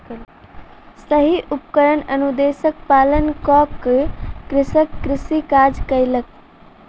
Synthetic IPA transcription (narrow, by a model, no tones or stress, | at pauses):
səɦiʔupkəɾənənud̪esəkpalənkɔkkɾisəkːɾisikad͡ʒkəjlək̚